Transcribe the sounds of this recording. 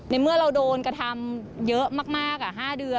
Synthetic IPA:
na˧jmɯ˥˩ɐəɾa˧wdoː˧nkɾa˧t̪ʰa˧mjɤ˦˥ʔmaː˥˩k̚maː˥˩k̚ʔa˨˩ɦaː˥˩dɯ˧ə

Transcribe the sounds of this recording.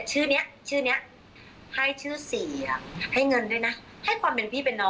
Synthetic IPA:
t͡ɕʰɯː˥˩ni˦˥ɐʔt͡ɕʰɯː˥˩ni˦˥ɐʔ | ha˥˩jt͡ɕʰɯː˥˩siː˨˩˦ha˥˩jŋɤ˧ndu˧˩˨jna˦˥ | ha˥˩jkʰwaː˧mpe˨˧˨npʰiː˥˩pe˧nːɔː˧

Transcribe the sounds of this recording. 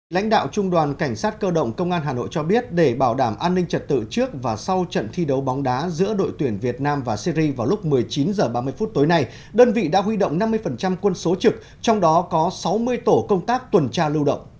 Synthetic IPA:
la̰˧˥jŋ̟ɗa̰ː˧˨wt͡ɕʊ˧ŋ͡mɗwaː˨˩nka˧˩jŋ̟saː˦˥t̚kəː˧ɗə̰˧˨wŋ͡mkə˧wŋ͡mʔaː˧nɦaː˨˩no̰˧˨jt͡ɕɔ˧ɓi˦˥ət̚ɗe˧˩ɓaː˧˩wɗaː˧˩mʔaː˧nːï˧ŋ̟t͡ɕə˨˩t̚t̪ɨ̰˧˨t͡ɕɨ˦˥ək̚vaː˨˩sa˧wt͡ɕə̰˧˨nt̪ʰi˧ɗə˨˦wɓɔ˨˦wŋ͡mɗaː˨˦zɨ̰˧˥əɗo̰˧˨jt̪wi˧˩ənvi˨˩ət̚naː˧mvaː˨˩si˧ɾi˧vaː˨˩wlʊ˦˥k͡p̚mɨ˨˩əjt͡ɕi˨˦nzəː˨˩ɓaː˧mɨ˧əjfu˦˥t̚t̪o˨˦jna˧j | ɗəː˧nvḭ˧˨ɗa̰ː˧˥ɦwi˧ɗə̰˧˨wŋ͡mna˧mːɨ˧əjfə˨˩nt͡ɕa˧mkwə˧nso˨˦t͡ɕɨ˨˩k̚ | t͡ɕɔ˧wŋ͡mɗɔ˨˦kɔ˨˦sa˨˦wmɨ˧əjt̪o˧˩kə˧wŋ͡mt̪aː˦˥k̚t̪wə˨˩nt͡ɕaː˧lɨ˧wɗə̰˧˨wŋ͡mʔ

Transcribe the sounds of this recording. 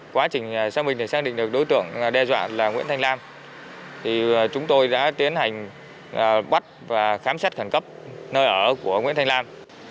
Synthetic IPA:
kwaː˨˦t͡ɕï˨˩ŋ̟˨˩saː˧wmï˨˩ŋ̟t̪e˧˩saː˧˥kɗḭ̈˧˨ŋ̟ɗɨ˨˩ək̚ɗo˨˦jt̪ɨ̰˧˨əŋɗɛ˧zwa̰ː˧˨laː˨˩ŋḭ˧˥ənt̪ʰa˧jŋlaː˧m | t̪ʰi˨˩t͡ɕʊ˨˦ŋ͡mt̪o˧jɗa̰ː˧˥t̪i˨˦ənha˨˩jŋ̟ | ʔɓa˦˥t̚vaː˨˩xaː˨˦msaː˦˥t̚xə˧˩nkə˦˥p̚nəː˧jʔəː˧˩ku˧˩əŋwḭ˧˥nt̪ʰŋlaː˧m

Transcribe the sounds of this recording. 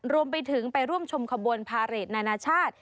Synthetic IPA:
ɾu˧əmpa˧jt̪ʰɯ˩˦ŋpa˧jɾu˥˩əmt͡ɕʰo˧mkʰa˧bo˧npʰaː˧ɾeː˨˩t̪̚naː˧naː˧t͡ɕʰaː˥˩t̪̚

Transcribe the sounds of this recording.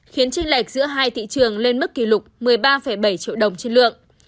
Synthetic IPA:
xi˨˦ənt͡ɕï˧ŋla˨˩jk̟̚zɨ̰˧˥əɦaː˧jt̪ʰḭ˧˨t͡ɕɨ˨˩əŋle˧nmɨ˦˥k̚ːi˧˩lʊ˨˩k͡p̚mɨ˨˩əjɓaː˧fə˧˩jɓa˧˩jt͡ɕḭ˧˨əwɗə˨˩wŋ͡mt͡ɕe˧nlɨ̰˧˨əŋʔ

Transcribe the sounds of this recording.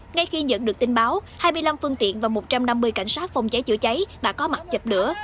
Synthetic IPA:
ŋa˧jxi˧zə̰˧˨nɗɨ˨˩ək̚t̪ï˨˧ŋ̟ɓaː˨˦whaː˧jmɨ˧əjla˧mfɨ˧əŋt̪ḭ˧˨ənvaː˨˩mo˨˩t̚t͡ɕa˧mna˧mːɨ˧əjka̰˧˩jŋ̟saː˦˥t̚fɔ˨˩wŋ͡mt͡ɕə˨˦jt͡ɕɨ̰˧˩ət͡ɕa˨˦jɗa̰ː˧˥kɔ˨˦ma˨˩t̚t͡ɕə˨˩p̚lɨ̰˧˥ə

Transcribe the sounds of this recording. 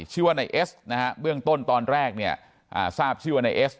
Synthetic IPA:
t͡ɕʰɯː˥˩waː˧˥˩na˧jʔe˦˥sna˦˥kʰa˦˥bɯ˥˩əŋt̪o˥˩nt̪ɔː˧nɾɛː˥˩k̚ni˥˩ɐ | ʔa̰ː˨˩saː˥˩p̚t͡ɕʰɯː˥˩wa˧˩na˧jʔeː˦˥s

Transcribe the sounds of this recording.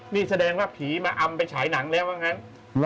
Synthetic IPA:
miː˥˩sa˧dɛː˧ŋwaː˥˩pʰiː˩˦maː˧ʔa˧mpa˧jt͡ɕʰaː˩˦jna˩˦ŋlɛː˦˥wʔa˧˥˩ŋa˦˥n

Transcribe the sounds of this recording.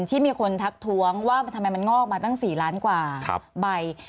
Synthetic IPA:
nt̪ʰiː˥˩miː˧kʰo˧nt̪ʰa˦˥k̚t̪ʰu˦˥əŋwaː˥˩t̪ʰa˧ma˧jma˧nŋɔː˥˩k̚maː˧a˥˩ŋsiː˨˩laː˦˥nkwa̰ː˨˩˦ba˧j

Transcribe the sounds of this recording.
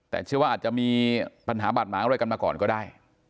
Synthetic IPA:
t̪ɛ̰˨˩t͡ɕʰɯ˥˩əwaː˥˩aː˨˩t̪̚t͡ɕa˨˩miː˧pa˧nɦaː˩˦baː˨˩maː˨˦˥ɾa˧ka˧maː˧kɔ̰ː˨˩nkɔː˥˩daː˥˩j

